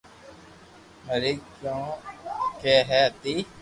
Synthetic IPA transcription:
məɾikjõːkeːɦɛt̪i

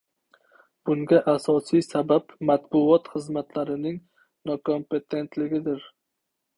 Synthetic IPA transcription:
b̥ʊŋɡʲaʔasɒsijsabapmat̪bʊɒt̪χɨzmat̪ʰlaɾɪnɪŋ | nɒkʰo̞mpe̞t̪ʰe̞nt̪lɪɡʲɪd̪ɪɾ

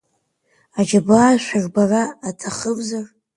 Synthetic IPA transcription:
ad͡ʒabaːʃʷᶣaʒbaraːtʰaχəvzar

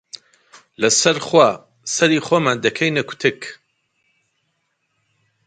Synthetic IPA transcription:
lɐsɐɾχwaː | sɐɾiːχoːmaːnd̪ɐkʰɐjnɐkʰu̥t̪ʰɨk

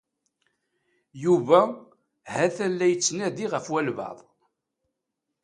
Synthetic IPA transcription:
juvæ | hæθænlæjət͡sːnæðiʁəfwælvɑ̰ðˤ

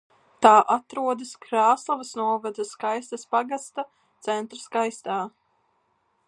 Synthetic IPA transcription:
t̪aːʔat̪ɾuɔd̪ɐskɾaːslˠavɐsnuɔvad̪ɐskajst̪ɐspaɡast̪a | t̪sɛnt̪ɾaskajst̪aː

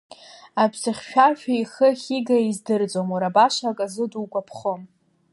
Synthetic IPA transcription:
abʰsɨχʲʃᶣarʃᶣaiχəχʲiɡaizdɨrd͡zomaɾabaʃakʼazɨduːkʷʼapʰχom

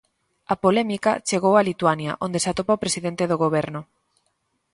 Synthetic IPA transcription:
ɐpolɛmikɐ̰t͡ʃeɣowalit̪uanjɐ̰ʔond̪esat̪opaopɾesiðent̪eðoɣoβ̞ɛɾnʊ

